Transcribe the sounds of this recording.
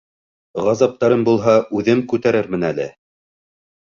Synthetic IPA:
ʁɑzɑp̚t̪ɑɾɤmbulˠɦɑʉðɘmkʉt̪æɾɘɾmɘ̆nælɘ̰

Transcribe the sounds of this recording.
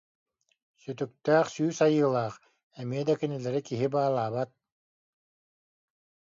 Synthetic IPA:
syt̪yk̚t̪æːχsyːsajɯːlˠaːq | ɛmiɛd̪akɛnilɛɾikiɦibaːlˠaːβat̪̚

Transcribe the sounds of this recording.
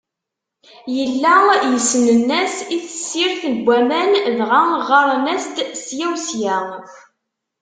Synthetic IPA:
jəlːæjəsːənənːæsiθəsːiɾθənɡʷːæmænðʁaʁɑɾˤnæst̪sjæwsjæ

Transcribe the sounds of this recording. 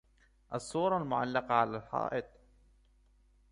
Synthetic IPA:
ʔɑsˤːuːɾˤɑlmʊʕalːɑqɑʕalalħɑ̰ːʔɪt̪̚ˤ

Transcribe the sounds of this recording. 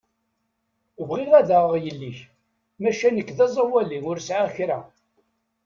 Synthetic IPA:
əvʁiʁæðaʁjəlːiç | mæʃænəkːðɑzˤɑwæliŋʊɾsʕaçɾæ

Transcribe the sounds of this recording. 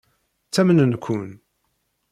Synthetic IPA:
t͡sːæmənənkʰʷːʊn

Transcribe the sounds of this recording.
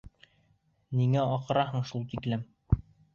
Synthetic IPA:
niŋæɒqɤ̆ɾɑɦɤɴʃulˠt̪iklɘm

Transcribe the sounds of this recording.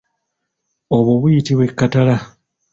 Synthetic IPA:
oβoβujitiβwe̞kːatala

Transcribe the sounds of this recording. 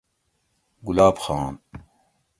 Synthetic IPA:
ɡulaːbxaːn

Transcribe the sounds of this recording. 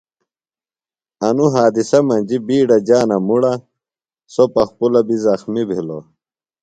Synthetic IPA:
ɐnuɦaːd̪isɐmɐnd͡ʑibiːɖɐd͡ʑaːnɐmuɽɐ | sopɐxpulɐbizɐxmibʱilo̰

